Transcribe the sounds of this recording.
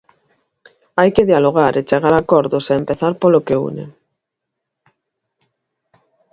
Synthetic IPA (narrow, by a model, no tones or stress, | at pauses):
ajkeðjaloɣ̞aɾʔet͡ʃeɣaɾakɔɾðʊsaempeθaɾpolokeṵnḛ